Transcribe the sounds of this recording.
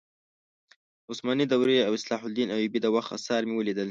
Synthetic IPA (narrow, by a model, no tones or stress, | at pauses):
ʊsmɑːnid̪awɾeawɪslɑːħʊld̪inawibid̪əwaxt̪a̰sɑːɾmewəlid̪əl